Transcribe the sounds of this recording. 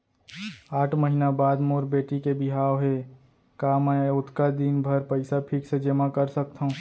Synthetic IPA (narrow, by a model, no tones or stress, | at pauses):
aːʈʰməɦinabaːd̪moɾbeʈikebiɦawɦe | kamɛʊt̪kad̪inbʱəɾpəɪsapʰiksẽd͡ʒemakəɾsək̚t̪ʰaɦũ